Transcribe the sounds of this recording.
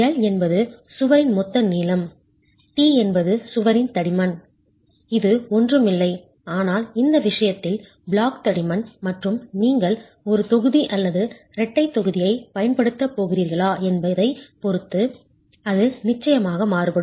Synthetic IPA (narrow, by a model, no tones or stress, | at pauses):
ɐlɛnbɐðɯsʊʋɐɾɪnmɔt̪ːɐniːlɐm | ʈiːɛnbɐðɯsʊʋɐɾɪnt̪ɐɽɪmɐn | ɪðɯɔndrɯmɪlːɐɪ | aːnaːlɪnd̪ɐʋɪʂɐjɐt̪ːɪl | bɭaːkt̪ɐɽɪmɐnmɐʈrɯmniːŋɡɐɭ | ɔɾɯt̪ɔɣɯðiʔɐlːɐðɯ | ɾɛʈːɐɪt̪ːɔɣɯðɪjɐɪpɐjɐnpɐɽɯt̪ːɐpːoːɣɪɾiːɾɣɐɭaːɛnbɐðɐɪpɔɾɯt̪ːɯ | ɐðɯnɪt͡ʃːɐjɐmaːɣɐmaːɾɯpɐɽɯ